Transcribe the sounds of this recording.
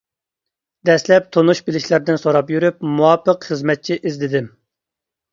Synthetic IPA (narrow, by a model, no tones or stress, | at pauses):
d̪ɛslɛp̚t̪ʰonuʃbɪlɪʃlæɾd̪ɪnsoɾɑpjyɾyp̚muwɑpːəqχəzmɛt̪̚t͡ʃʰiʔizlɪd̪ɪm